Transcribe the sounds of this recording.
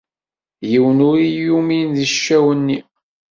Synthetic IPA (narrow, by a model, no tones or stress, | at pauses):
jiwənʊɾijuminðiʃːæwənːi